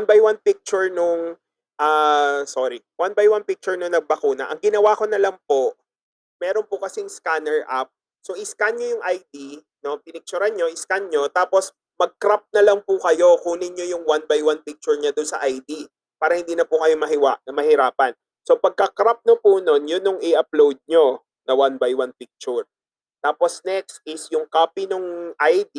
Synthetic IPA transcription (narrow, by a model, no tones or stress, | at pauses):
nbɐjwanpik̚t͡ʃʊɹnʊŋ | ʔaːsoɾi | wanbajwanpik̚t͡ʃʊɹnoŋnɐɡ̚bɐkuːnɐ̰ʔɐŋɡɪnɐwako̞nɐlɐŋpo̞ | mɛːɾonpʊkɐsɛŋskanɛɹʔap̚ | soʔɪskanɲojʊŋʔajd̪i | no̞pɪnɪɡk̚t͡ʃʊɾanɲo̞ɪskanɲo̞t̪aːpos | mɐɡ̚kɾap̚nɐlɐŋpʊkɐjo̞kuːnɪɲojʊŋwanbajwanpik̚t͡ʃʊɹɲad̪ʊnsɐ̰ʔajd̪i | paːɾɐhɪnd̪iːnɐpʊkɐjomɐɦɪwaʔnɐmɐhɪɾaːpɐn | so̞pɐɡ̚kɐkɾap̚nopuno̞njʊnoŋʔɪʔɐplowd̪̚ɲo̞ | nɐwanbajwanpik̚t͡ʃʊɹ | t̪aːpo̞snɛkst̪ʔɪsjʊŋkaːpinoŋʔajd̪i